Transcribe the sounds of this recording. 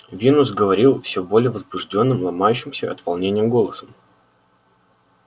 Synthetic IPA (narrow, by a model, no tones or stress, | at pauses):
vʲinʊsɡəvɐɾʲilˠfsʲobo̞lʲɪjəvəzbʊʐdʲo̞nːɨmlˠɐmajʉɕːɪmsʲəʔɐ̰t̪vɐlˠnʲenʲɪjəɡo̞lˠəsəm